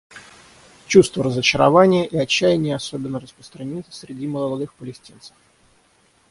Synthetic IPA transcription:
t͡ɕust̪vəɾəzət͡ɕɪɾɐvanʲɪjəʔiɐt͡ɕːæjɪnʲɪjəɐso̞bʲɪnːərəspɾəst̪ɾɐnʲit̪ə̥sʲɾʲɪdʲiməlˠɐlˠɐd̪ɨxpəlʲɪsʲtʲint̪sə̥f

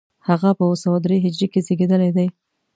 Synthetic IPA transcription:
haɣapəwosəwad̪ɾeɦɪd͡ʒɾekezeɡed̪əlajd̪aj

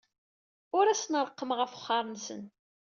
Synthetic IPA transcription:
ʊɾæsnɾˤəqːəmʁəfə̥χːɑɾˤənsə̰n

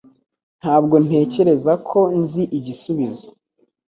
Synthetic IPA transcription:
n̥haːbɡo̞n̥e̞ːce̞ɾe̞zakʰo̞nziʔiɟisuβizo

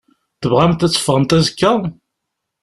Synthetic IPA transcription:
θəvʁæmt̪æt͡sːə̥fʁəmt̪æzəkːæʁ

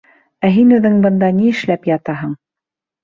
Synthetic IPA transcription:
æɦinʉðɘŋbɤ̆nd̪ɑniɘ̆ʃlæpjɑt̪ɑɦɤɴ

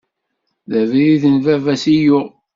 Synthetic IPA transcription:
ðæviðiθənvævæsijʊ

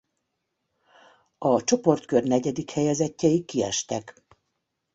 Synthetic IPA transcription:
ɒt͡ʃo̞po̞rt̪kørnɛɟɛd̪ikhɛjɛzɛcːɛikːiɛ̰ʃt̪ɛk

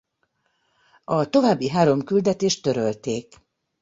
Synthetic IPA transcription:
ɒt̪o̞vaːbːiɦaːɾo̞mkyld̪ɛt̪eːʃt̪ːø̞ɾølt̪eːk

